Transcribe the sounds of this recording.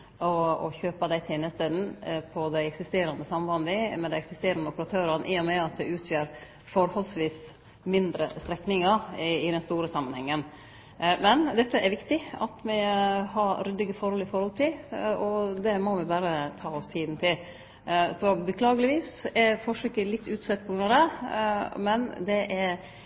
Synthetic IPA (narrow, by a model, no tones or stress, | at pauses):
ɔɔ̰çøːpɑd̪æɪt̪ʰeːnəst̪eːd̪n̩pʰɔd̪æɪɛksɪst̪eːɾɑnd̪əsɑmʋɑnd̪ɪmɛd̪æɪɛksɪst̪eːɾɑnd̪əɔpəɾɑt̪ʰøːɾɑnʔɪːɔmɛɑt̪̚d̪ɛʉːt̪ʰjøːɾ | fɔɾhɔlsʋiːs | mɪnd̪ɾə̰st̪ɾɛknɪŋɑɪd̪ɛnst̪uːɾəsɑmːɑnhɛŋːən | mɛnd̪ɛt̪ːəʔɛɾʋɪkt̪ɪɑ̰t̪mɪhɑɾɾʏd̪ːɪɡəfɔɾhɔlɪfɔɾhɔlt̪ʰɪlɔd̪ɛmɔʋɪbæːɾət̪ʰɑːɔst̪ʰiːd̪n̩t̪ʰɪl | sɔbəkʰlɑːɡəlɪʋiːsɛɾfɔʂʏkːəlɪt̪ːʉːt̪sɛt̪̚pʰɔɡɾʉnɑʋd̪ɛ | mɛnd̪ɛʔɛɾ